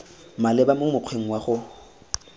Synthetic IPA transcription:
malɪbamʊmʊq͡χʰweŋ̩waχʊ

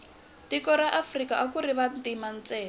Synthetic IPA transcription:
tikɔɾaʔafrikaʔakuɾiβantimant͡sɛː

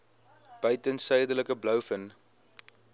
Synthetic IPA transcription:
b̥œɥtənsœjdələkəblœwfən

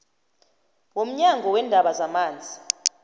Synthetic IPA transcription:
wom̩ɲaŋɡʱɔwɛndʱaɓazamaːnd͡zʱi

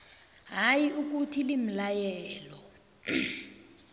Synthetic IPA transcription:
ɦajiuk̬utʰilim̩lajɛːlɔ

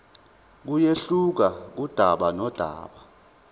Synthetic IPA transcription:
k̬ujeɬuk̬ak̬ud̥ʱaɓanɔd̥ʱa̰ːɓa

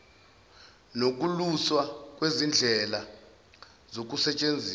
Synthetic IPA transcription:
nok̬ʼuluswak̬ʼwezind͡ɮʱɛla | zok̬ʼusɛt͡ʃʼend͡zʱiː

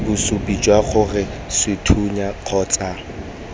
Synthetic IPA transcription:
bʊsupʼit͡ʃʼwaχʊrɪsɪtʰuɲaq͡χʰɔːt͡sʼa

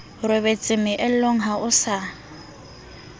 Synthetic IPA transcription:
rɪbet͡sʼɪmɪʔɪl̩loŋ̩ɦaʔʊsa

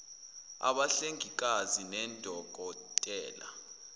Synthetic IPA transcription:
a̰ɓaɬeŋik̬ʼazinɛndʱɔɡ̥̬ʱɔtʼɛːla̰

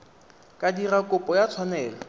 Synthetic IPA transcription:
kʼadirakʼʊpʼɔjat͡sʰwanɛːlɔ

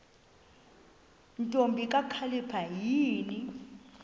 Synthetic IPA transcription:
ntʼombʱikʼakʰalipʰajiːni

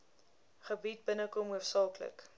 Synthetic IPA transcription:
χəbit̚bənəkɔmuəfsɑːklə̰k

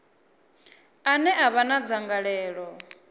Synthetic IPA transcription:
anɛʔaβanad͡zaŋɡaɺɛːɺɔ

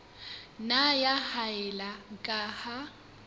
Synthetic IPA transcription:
najahaɛlaŋkʼaha

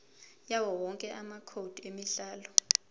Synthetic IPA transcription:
jawɔwɔŋkʼɛʔamakʰod̥ʱemiɬaːlɔ

